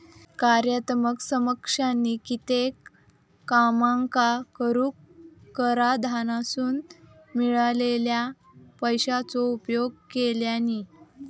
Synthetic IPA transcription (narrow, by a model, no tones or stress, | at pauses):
kaɾjət̪məksəməkʂanːikit̪ekː | amaŋkakəɾuːkkːəɾad̪ʱanasuːn | miɭalelja | pəjɕat͡sɔupjoɡ̚keljani